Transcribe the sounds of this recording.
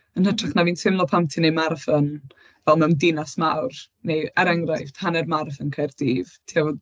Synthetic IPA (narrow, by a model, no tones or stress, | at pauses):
ənhətraχnaviːnsɪmlˠɔpʰamtʰinejmarfən | vɛlˠmandɪnasmawr | nejɛɾɛŋrajvpʰanɛrmarfənkʰajrdiːvtʰiavɔ